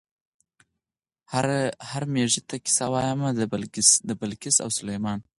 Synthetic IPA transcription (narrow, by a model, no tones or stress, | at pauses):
hahaɾmeʐit̪akɪ̥sawɑjamald̪əbalkɪsa̰wsʊlajmɑn